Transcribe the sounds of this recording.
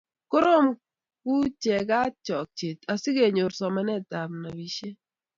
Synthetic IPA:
ko˦ɾo˦m | ku˦t͡ʃɛ˨ɡa˦t͡ʃɔ˨k̚t͡ʃe˨t̪a˨sɪ˦ɡe˨ɲo˨ɾsɔ˨ma˦nɛ˦˨ta˨mna˨wi˨ʃe˦

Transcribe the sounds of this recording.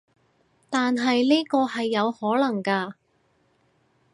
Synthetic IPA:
t̪aː˨nɦɐ˨jliː˥kɔː˧hɐ˨jːɐ˨˧whɔː˨˥lɐ˨˩ŋkaː˧

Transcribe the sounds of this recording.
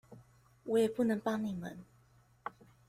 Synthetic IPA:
wɔ˨˦jɛ˨˩pu˥˩˨nɤ˧˦ŋpɑ˥ŋni˨˩mə̰˨˦n

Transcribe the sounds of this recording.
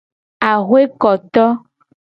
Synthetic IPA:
a˨ɣwe˦kɔ˨t̪ɔ˦

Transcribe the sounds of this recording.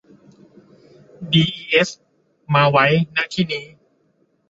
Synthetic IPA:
diː˧ʔiː˧ʔe˦˥s | maː˧wa˦˥jnaː˥˩t̪ʰiː˥˩niː˦˥

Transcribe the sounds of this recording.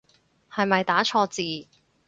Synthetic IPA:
hɐ˨jmɐ˨jt̪aː˨˥t͡ʃʰɔː˧t͡siː˨

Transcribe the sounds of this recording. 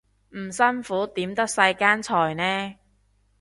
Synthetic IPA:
m̩˨˩sɐ˥nfuː˨˥t̪iː˨˥mt̪ɐ˥k̚sɐ˧jkaː˥nt͡sʰɔː˨˩jnɛː˥

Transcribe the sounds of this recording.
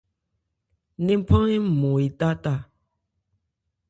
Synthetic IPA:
nẽ˦m˦pʰã˦e˦˨mõ˨i˨t̪a˦ta˦˨

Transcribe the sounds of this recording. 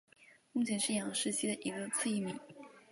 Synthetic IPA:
mu˥˩t͡ɕʰjɛ˧˥nʂɻ̩˥˩jɑ˧˥ŋʂɻ̩˥˩t͡ɕʰi˥d̪ə˨ʔi˧˥ɡə˧t͡sʰɹ̩˥˧i˥˩mḭ˨˩˦

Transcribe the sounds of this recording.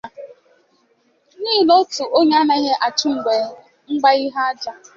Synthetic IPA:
niː˦˨lo˦tu˨ʔo˦ɲ˦na˦i˦ɦe˦ʔa˨t͡ʃʊ˦ŋ͡m̩˨ɡ͡bʷe˨ | ŋ͡m̩˦ɡ͡ba˦i˦ɦa˦a˦d͡ʒa˦

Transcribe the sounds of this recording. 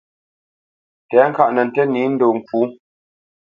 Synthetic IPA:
tɛː˨˦ŋ̩˦ka˦ʔnə˨n̩˨tɛ˦niː˨˦n̩˦do˨ŋ̩˨kuː˨˦

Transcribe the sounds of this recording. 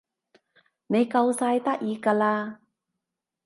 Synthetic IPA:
ne˨˧jkɐ˧wsaː˧jt̪ɐ˥k̚jiː˨˧kaː˧laː˧

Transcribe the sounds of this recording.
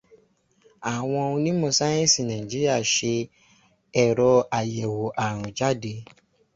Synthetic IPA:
a˨w̃ɔ̃˧ũ˧nĩ˦mõ˧sa˦jɛ̃˦si˦˨nã˨ĩ˨d͡ʒi˦ɾi˦a˦˨ʃe˧ | ɛ˨ɾɔ˧a˨jɛ˨wo˨ʔa˨ɾ̃ũ˨d͡ʒa˦de˨˧˦

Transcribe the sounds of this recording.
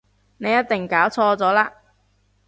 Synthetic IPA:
ne˨˧jːɐ˥t̪̚t̪ɪ˨ŋkaː˨˥wt͡sʰɔː˧t͡sɔː˨˥laː˧

